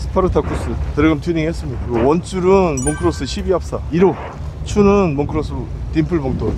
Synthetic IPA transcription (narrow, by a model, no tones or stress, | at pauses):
sʰɯ̥pʰaɾɯtʰak͈ʰus͈ɯtɯɾeɡamtʰiniŋiɦes͈ɯmɲidakɯɡowʌnt͡ɕʰuɾɯnmoŋkʰɯɾos͈ʰɯɕʰibiap̚s͈aiɾo | t͡ɕʰunɯnmoŋkʰɯɾos̬ʰɯtimpʰɯɭboŋt͈ʰo